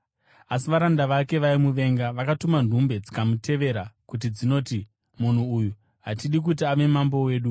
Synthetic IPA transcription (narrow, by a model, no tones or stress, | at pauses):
asiʋaɾandaʋake̞ʋaimuʋe̞ŋɡaʋakatumandʱumbe̞d͡zikamutʰe̞ʋe̞ɾakut̬id͡zino̞ːti | mun̤uːju | ɦa̰tiɗik̬ut̬iaʋe̞mambo̞we̞ːɗu